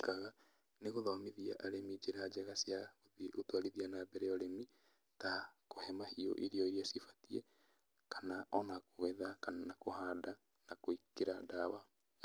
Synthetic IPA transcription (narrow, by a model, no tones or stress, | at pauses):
kaɣa | neɣoðɔmeðiaʔaɾemid͡ʒeɾad͡ʒɛɣasjaoðeʔotwaɾiðianabɛɾɛɔɾemi | takohɛmahio̰ʔeɾiɔeɾiasifḁtiɛ | kanaʔɔnakoɣɛðakananakohaːda | nakoikeɾadawa